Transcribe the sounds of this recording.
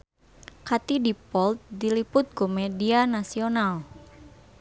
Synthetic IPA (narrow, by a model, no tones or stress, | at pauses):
kat̪idipɔlt̪̚dilipʊt̪̚kumɛdianasional